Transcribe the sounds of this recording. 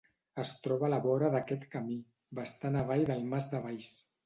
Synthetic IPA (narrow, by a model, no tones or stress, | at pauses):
əst̪ɾɔβəlaβɔɾəðəkɛt̪kəmi | bəst̪anaβ̞ajðəlˠmazd̪əβajs